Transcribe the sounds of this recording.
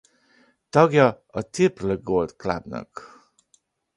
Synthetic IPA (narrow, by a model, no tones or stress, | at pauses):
tɔɡjɔ | ət̪ʰipləɡolt̪kʰla̰b̚nə̰k